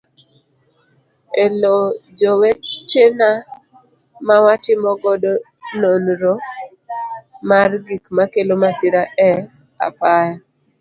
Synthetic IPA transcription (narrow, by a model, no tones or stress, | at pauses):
elod͡ʒowet͡ʃena | mawatɪmɔɡɔdo | nonɾo | marɡikmakelomasɪɾaʔɛ | a̰paja